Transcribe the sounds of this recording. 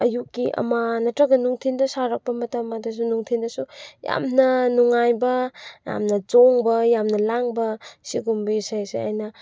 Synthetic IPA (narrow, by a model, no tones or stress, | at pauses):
ɐjukːiʔɐ̰manɐtɾɐɡɐnuŋtʰindɐsaɾɐk̚pɐmɐtɐmadɐs̬unuŋtʰindɐsuja̰mnɐnuŋajbɐja̰mnɐd͡ʒoŋbɐjamnɐlaŋbɐsiɡumbisajsḛa̰jnɐ